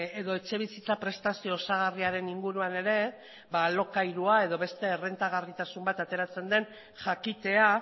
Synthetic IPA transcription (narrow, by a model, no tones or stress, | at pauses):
eðo̞e̞t͡ʃe̞β̞isit͡sapɾe̞st̪asio̞ːsaɣ̞ariaɾe̞niŋɡuɾuane̞ɾe̞ | balo̞kajɾuae̞ð̞o̞βe̞st̪e̞ːre̞nt̪aɣ̞arit̪asumbat̪at̪e̞ɾat͡se̞nd̪e̞n | ʝakit̪e̞a